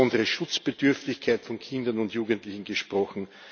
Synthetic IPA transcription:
ɔndəʁəʃʊt͡sb̥ədʏɐftɪçkʰaɪtfɔnkʰɪ̃ndɐnʊntjuːɡəntlɪçn̩ɡ̥əʃpʁɔxn̩

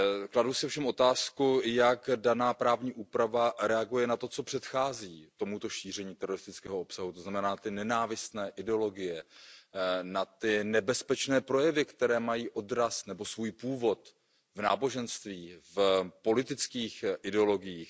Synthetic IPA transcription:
kladusɪofʃɛmʔo̞t̪aːskujakdanaːpɾaːvɲiːʔuːpɾavaɾɛaɡujɛnat̪o̞t͡so̞pr̝̥ɛt̪xaːziːt̪o̞mut̪o̞ʃiːr̝ɛɲiːt̪ɛɾo̞ɾɪst̪ɪt͡skɛːɦo̞o̞psaɦut̪o̞znamɛnaːnat̪ɪnɛnaːvɪst̪nɛːʔɪdɛolo̞ɡɪjɛ | nat̪ɪnɛbɛspɛt͡ʃnɛːpɾo̞jɛvɪkt̪ɛɾɛːmajiːʔo̞dɾasnɛbo̞svuːjpuːvo̞t̪ | vna̰ːbo̞ʒɛnst̪viːfpo̞lɪt̪ɪt͡skiːxʔɪdɛo̞lo̞ɡɪjiːx

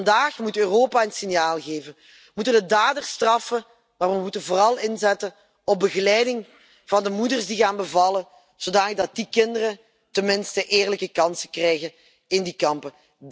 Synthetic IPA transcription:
ndaːxmutøːroːpaənsɪnjaːlˠɣeːvən | mutəndədaːdərstrɑfə | maːrʋəmutənvoːrɑlˠɪnzɛtən | ɔb̚bəɣəlɛjdɪŋ | v̥ɑndəmudərsdiɣaːnbəvɑlə | z̥odaːnləɡ̚dɑt̚dikɪndərə | tənmɪnstəʔeːrləkəkɑnsəkrɛjɣən | ɪndikɑmpə

